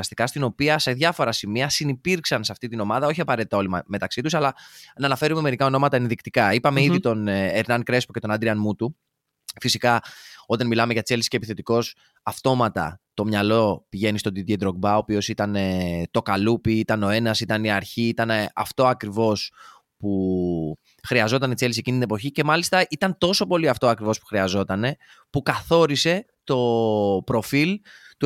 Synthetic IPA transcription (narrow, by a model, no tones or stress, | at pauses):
st̪ikɐst̪ino̞piɐse̞ðʝɐfo̞ɾɐsimiɐsinipiɾksɐnseɐft̪it̪ino̞mɐðɐo̞çiɐpɐɾe̞t̪it̪ɐo̞limme̞t̪ɐksit̪usɐlɐnɐːnɐfe̞ɾume̞me̞ɾikɐo̞no̞mɐt̪ɐenðikt̪ikɐipɐme̞iðit̪o̞neeɾnɐnkɾe̞spocet̪o̞nɐd̪ɾiɐnmut̪u | fisikɐo̞t̪ɐnmilɐme̞ʝɐt͡selsiscepiθe̞t̪iko̞s | ɐft̪o̞mɐt̪ɐ̰t̪o̞mɲɐlo̞piʝe̞nist̪o̞d̪id̪ed̪ɾoɡ̚bɐo̞ːpio̞sit̪ɐnet̪o̞kɐlupiit̪ɐno̞e̞nɐsit̪ɐniɐɾçiːt̪ɐneɐ̰ft̪o̞ɐkɾivo̞s | pu | xɾiɐzo̞t̪ɐnit͡se̞lis̬ecinit̪ine̞po̞çice̞mɐlist̪ɐʔit̪ɐnt̪o̞so̞po̞liɐft̪oɐkɾivo̞spu̥xɾiɐzo̞t̪ɐne̞ | pukɐθo̞ɾise̞ | t̪o̞pɾo̞filt̪u